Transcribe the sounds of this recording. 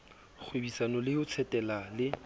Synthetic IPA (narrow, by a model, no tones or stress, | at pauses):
χʰwebisanɔlɪhʊt͡sʰɛtʼɛlalɪ